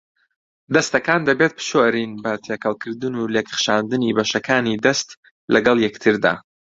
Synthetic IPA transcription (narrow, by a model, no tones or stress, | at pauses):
d̪ɐst̪ɐkaːnd̪ɐbet̪̚pʰɨ̥ʃoɾinbɐt̪ʰekʰɐlˠkʰɨɾd̪ɨnuleːkχʃaːnd̪ɨnibɐʃɐkʰaːnid̪ɐst̪ | lʔɐɡɐlˠjɛkt̪ʰɨɾd̪a̰ː